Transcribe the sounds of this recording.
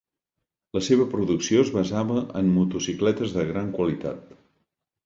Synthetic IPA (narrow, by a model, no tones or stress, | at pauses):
ləseβ̞əpɾuðuksioəzβəzaβəʔəmːut̪usiklɛt̪əzðəɣɾaŋkwəlit̪a̰t̪